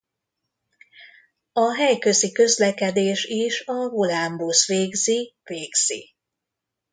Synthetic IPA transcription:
ɒɦɛjkø̞zikø̞zlɛkɛd̪eːʃiʃɒɡolambusʋeːɡziveːɡz̥ḭ

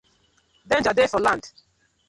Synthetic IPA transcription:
dɛ̃nd͡ʒadefɔlãnd̥

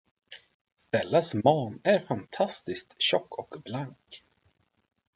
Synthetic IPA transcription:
st̪ɛlːasmɑːnæɾfant̪ʰast̪ɪskt̪ɕɔkːɔkblaŋk

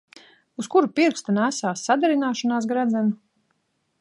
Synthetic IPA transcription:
uskuɾupiɾkst̪anæsaːsːad̪ɛɾinaːʃɔnaːs̬ɡɾad̪zænu

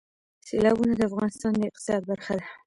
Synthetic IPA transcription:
selɑbunad̪əafɣɑnɪst̪ɑnd̪əɪq̚t̪ɪ̥sɑd̪̚baɾxad̪a

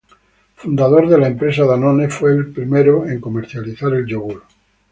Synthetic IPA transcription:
fund̪aðo̞ɾðelaempɾe̞s̬aðanonefweːlpɾimeɾoeŋkomeɾθjaliθaɾe̞lʎoɣul

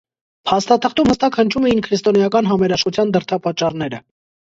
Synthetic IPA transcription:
pʰɑst̪ɑt̪ʰəχt̪umhəst̪ɑkhənt͡ʃʰumɛjinkʰɾist̪ɔnjɑkɑnɦɑmɛɾɑʃχut͡sʰjɑnd̪əɾt̪ʰɑpɑt͡ʃːɑrnɛɾə

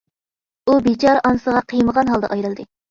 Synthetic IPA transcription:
ubit͡ʃʰɑɾʔɑnsəʁɑqʰijməʁɑnɦɑlˠd̪ɛ̰ʔɑjɾɨlˠd̪ɨ

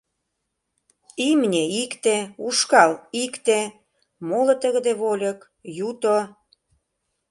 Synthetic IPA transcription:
imnʲeikt̪euʃkɑlikt̪e | molət̪əɣə̆d̪eβolʲək | jut̪o

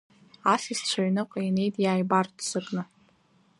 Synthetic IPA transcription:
asist͡ɕʷʰaɥnɨqʼejne̞jtʼjaːjbartʰʼsɨrnɨ

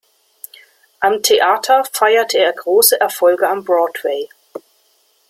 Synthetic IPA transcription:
ʔamtʰeʔaːtʰɐfaɪɐtʰəeːɐɡʁoːsəʔɛɐfɔlɡəambʁɔːtweɪ

